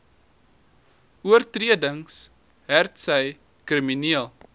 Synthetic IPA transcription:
uərtriədəŋs | ɦærtsəj | kriminiəlˠ

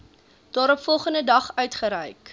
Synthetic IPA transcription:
d̥ɑːɾɔpfɔlˠχəndədɐχœɥtχəɾɛjk

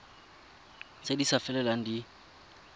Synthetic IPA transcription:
sedisafɛlɛlaŋ̩di

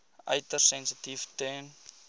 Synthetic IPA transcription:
ʔɐ̰jtərsɛ̃nsətiftɛn

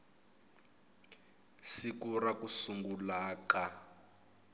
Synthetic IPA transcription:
sikuɾakusuŋɡulaːka

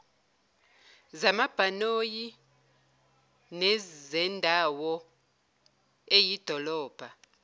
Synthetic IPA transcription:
zamab̥ʱanoji | nɛzɛndʱawɔ | ejid̥ʱɔlɔːb̥ʱa

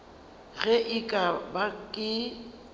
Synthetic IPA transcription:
ɣɛʔɪkʼabakʼɪ

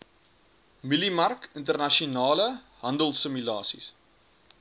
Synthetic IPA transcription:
milimɐrkəntərnɐʃionɑːləɦɐndəlˠsəmylɑːsḭs

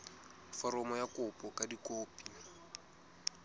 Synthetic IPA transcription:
fɔɾɔmɔjakʊpʼɔkadikoːpi

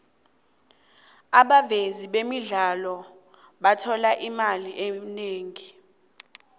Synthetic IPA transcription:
aɓaveziɓemiɮalɔ | ɓatʰɔlaʔimaliʔeneːŋi

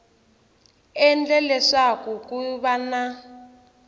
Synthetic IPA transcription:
ɛnd͡ɮɛlɛʂakukuβana

